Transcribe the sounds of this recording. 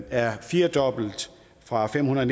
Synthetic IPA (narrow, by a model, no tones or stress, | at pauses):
æɐfiːɐd̥ɒ̽b̥l̩d̥ | fʁɑ̈fem̰hunɐɒn